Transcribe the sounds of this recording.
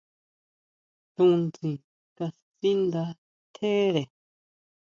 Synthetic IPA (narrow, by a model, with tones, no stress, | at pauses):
tũ˧nt͡sĩ˨ | ka˧si˦nd̪a˧˦ | t̪ʰe˦ɾe˨